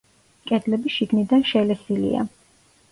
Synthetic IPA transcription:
kʼɛd̪lɛbiʃiɡnid̪anʃɛlɛsilḭa̰

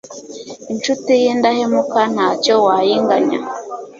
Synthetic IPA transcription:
int͡ʃutijindahemukan̥hacowajiŋɡaɲa̰

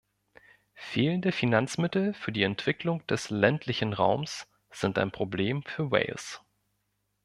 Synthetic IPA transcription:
feːləndəfinant͡smɪtl̩fyːɐdiːɛntv̥ɪklʊŋd̥ɛslɛntʰlɪçn̩ʁa̰ʊms | z̥ɪntaɪnpʁ̥obleːmfyːɐwɛ̰ɪls

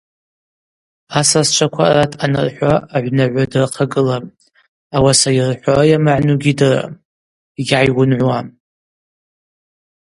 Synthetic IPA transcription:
asazt͡ʃʷʰakʷʰaratʰanɨ̰rħʷaːʕʷnaʕʷadɨrqʰaɡɨlam | awasajɪrħʷarajamaʕnuɡʲidɨra̰ | ɡʲʕajwʊnʕʷwa

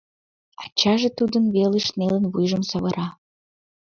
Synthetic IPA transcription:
ɑt͡ɕɑʒet̪ud̪ənβeleʃnelənβujʒəmsəβəɾɑ

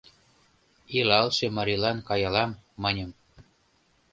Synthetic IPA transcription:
ilɑlʃemɑɾilɑnkɑjɑlɑmːɤnʲəm

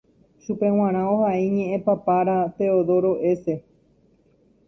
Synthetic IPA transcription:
ʃupẽ̞w̃ãɾ̃ãohaʔiɲẽ̞ʔẽpapaɾat̪e̞oðo̞ɾo̞ʔe̞se̞

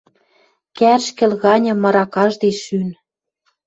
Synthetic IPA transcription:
kærʃkĕlɣɑnʲɤ̆mːɤ̆ɾɑkɑʒd̪eʃyn

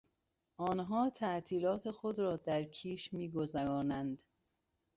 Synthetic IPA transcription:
ʔɒːnɦɒːt̪ʰæʔt̪ʰiːlɒːt̪ʰexod̪ɾɒːd̪æɾkʰiːʃmiːɡo̞zæɾɒːnænd̪

